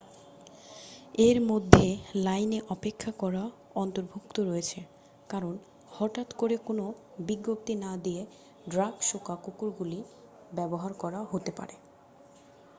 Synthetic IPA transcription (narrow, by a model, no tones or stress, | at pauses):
eɾmod̪ʱːelajneʔɔpekʰːakɔɾa | ɔnt̪oɾbʱukt̪oɾojet͡ɕʰe | kaɾon | hɔʈat̪koɾekono | biɡːop̚t̪inad̪ije | ɖɾaɡʃokakukuɾɡuli | bɛboɦaɾkɔɾaɦot̪epa̰ɾe